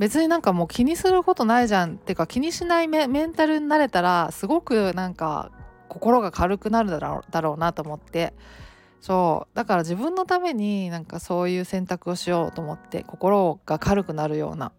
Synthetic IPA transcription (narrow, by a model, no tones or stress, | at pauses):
be̞t͡sɨɲ̟inãŋkamo̞ːkʲiɲ̟isɨɾɯ̟ko̞t̪o̞naiʑãnt̪e̞ɯ̟kakʲiɲ̟iɕinaimmẽ̞nt̪aɾɯ̟ɲʲinaɾe̞t̪aɾasɨɡo̞kɯ̟nãŋka̰ | ko̞ko̞ɾo̞ɡakʰaɾɯ̟kɯ̟naɾɯ̟̰d̪aɾo̞ːnat̪o̞ːmo̞t̪ːe̞ | so̞ːd̪̥akaɾaʑibɯ̟̃nːo̞t̪ame̞ɲ̟inãŋkaso̞ːjɯ̟ːsẽ̞nt̪akɯ̟o̞ɕijo̞ːt̪o̞ːmo̞t̪ːe̞̰ko̞ko̞ɾo̞ɡ̥akʰaɾɯ̟kɯ̟naɾɯ̟jo̞̰ːna̰